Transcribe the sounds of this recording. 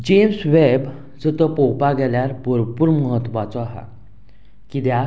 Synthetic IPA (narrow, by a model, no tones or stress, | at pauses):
d͡ʑemsʋeb | d͡zət̪əpɔwpaɡɛljaɾbəɾpuːɾməɦət̪ːʋat͡sɔaɦa̰ | kid̪ja